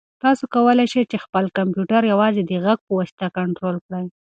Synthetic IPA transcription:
t̪ɑsokawəlajʃəjt͡ʃexpəlkampjuʈaɾjawɑzed̪əɣaɡ̚pəwɑsi̥t̪akaɳʈɾolkɽəj

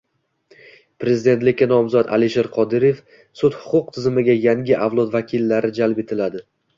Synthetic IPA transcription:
pɾe̞zɪd̪e̞nt̪lɪkʲːanɒmzɒt̪a̰liʃeɾqʰɒd̪ɪɾe̞f | sʊt̪hʊ̥qʰʊq̚t̪ʰɪzɪmɪɡʲajaŋɡʲɪʔavlˠɒt̪vakʲʰilːaɾɪd͡ʒalpe̞t̪ʰɪlad̪ɪ

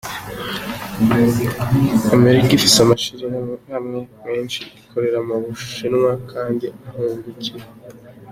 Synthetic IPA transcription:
ame̞ɾikifisamaʃiɾehahamŋe̞me̞ːnʃiikʰo̞ɾe̞ɾamaβuʃʃinwakʰaːndiaheːzɡucie

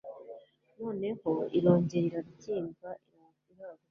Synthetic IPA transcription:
no̞ːne̞ho̞ḭɾo̞ːɲɟe̞ɾiɾaɾuciːmɡvaʔiɾa | iɾaːβo

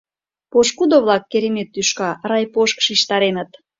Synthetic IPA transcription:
poʃkud̪oβlɑkːeɾemet̪ːyʃkɑɾɑjpoʃkʃiʃt̪ɑɾenət̪

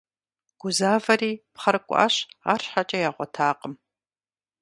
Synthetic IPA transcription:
ɡ̥ʷʊzaːvɐɾiːpχɐɾɨkʷʼʔa̰ɕa̰ːrɕħat͡ʃʼɐjaːʁʷɔtʰaːqʼəm

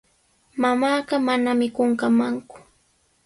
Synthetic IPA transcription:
mamaːɢɑmanamɪkoɴkamaŋkʊ̥

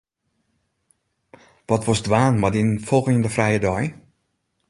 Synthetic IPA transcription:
ʋɔtʋɔsdʋaːnmadinfɔlˠɣɪŋndəfrɛjədɔj

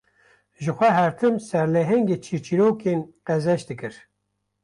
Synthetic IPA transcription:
ʒɨxʷɛɦɛɾt̪ʰɨmsɛɾlɛɦɛŋɡeːt͡ʃʰiɾt͡ʃʰiɾoːkeːnqɛzɛʃd̪ɨkɨɾ

